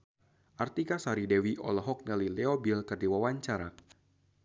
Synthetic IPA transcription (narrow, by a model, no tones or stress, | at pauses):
ʔart̪ikasaɾidɛwiʔɔ̰lɔɦɔk̚nalilɛɔbilkərdiwawaɲt͡ʃaɾa̰